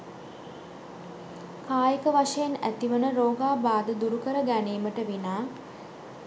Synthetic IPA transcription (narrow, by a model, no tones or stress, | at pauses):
kaːjəkəʋaʂəjenæ̰t̪iʋənəɾoːɡaːbaːd̪əd̪uɾukəɾəɡæneːməʈəʋinaː